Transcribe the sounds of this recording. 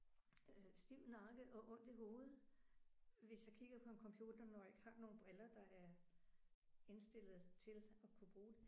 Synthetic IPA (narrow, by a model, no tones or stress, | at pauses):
sd̥iʊ̰nɑ̈ːɡ̥əʔɒ̽ʔɔ̽n̰d̥e̝ɦo̝ːð̩ˠ | ʋe̝sjɑ̈kʰiɡ̥ɐpʰɒ̽e̝nkʰɒ̽mpʰjuːd̥ɐnɒeɡ̥hɑ̈no̝ːn̩b̥ʁɛlɐd̥ɑ̈æɐ | e̝nsd̥e̝l̰ð̩ˠt͡sʰe̝lɒ̽kʰub̥ʁuːd̥e̝